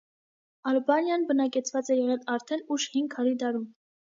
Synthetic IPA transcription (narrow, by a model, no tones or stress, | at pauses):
ɑlbɑnjɑnbənɑkɛt͡sʰvɑt͡sɛjɛʁɛlɑɾt̪ʰɛnuʃhiŋɡʰɑɾid̪ɑɾum